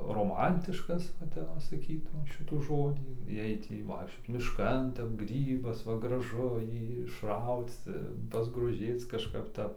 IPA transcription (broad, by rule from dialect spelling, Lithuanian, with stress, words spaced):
roːˈmɐnʲtʲɪʃkɐs ʋɐ ˈtʲɛp ʋɐ sɐˈkʲiːtʊm ˈʃʲɪtuː ˈʒoːdʲiː ˈjɛɪ ˈtʲiː ʋɐɪkʃʲˈt͡ʃʲoːt͡s mʲɪʃˈkɐn ˈtʲɛp ˈɡrʲiːbɐs ˈʋɐ ɡrɐˈʒʊ ˈjiː ɪʃˈrɐʊt͡s pɐzɡroːˈʒʲeːt͡s kɐʃˈkɐp ˈtɐp